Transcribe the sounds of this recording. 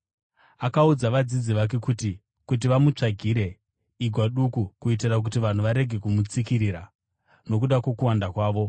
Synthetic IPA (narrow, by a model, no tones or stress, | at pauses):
akaud͡zaʋad͡zid͡ziʋak̬e̞kuti | kut̬iʋamut͡ʂaɡʱiɾe̞ | iɡʱwaɗukukuit̬irak̬utiʋan̤uʋaɾe̞ɡʱe̞kumut͡sikiɾiːɾa | no̞kuɗakwo̞kuwandakwaːʋo̞